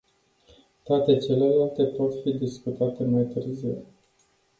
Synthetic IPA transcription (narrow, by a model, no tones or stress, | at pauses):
t̪oat̪e̞t͡ʃe̞le̞lalt̪e̞po̞t̪fid̪iskut̪at̪e̞majt̪ɨrziw